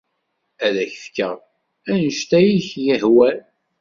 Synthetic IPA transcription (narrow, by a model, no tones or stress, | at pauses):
æðæçfkːə̰ʁ | ænəʃt̪æjiçjəhwæl